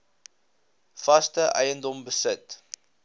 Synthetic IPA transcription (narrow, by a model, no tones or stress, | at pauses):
fɐstəʔɛ̰jəndɔmbəsət